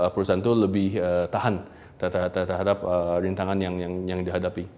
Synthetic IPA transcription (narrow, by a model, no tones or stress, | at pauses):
əpəɾusaant̪uləbɪhət̪aɦan | t̪t̪ət̪ərɦadap̚əɾint̪aŋanjaŋjaŋjaŋdiɦadapi